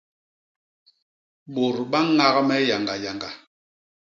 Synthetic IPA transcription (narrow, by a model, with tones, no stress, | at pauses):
ɓo˨ɾɓa˦ŋa˦ɣmɛ˦ja˨ŋɡa˨ja˨ŋɡa˨